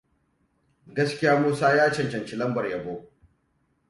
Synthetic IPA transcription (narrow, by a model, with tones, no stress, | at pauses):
ɡɐ˦skʲɪ˦jaː˦muː˦saː˦jaː˦t͡ʃɐ˨nt͡ʃɐ˨nt͡ʃi˦lɐ˦mbɐ˨rjɐ˨boː˦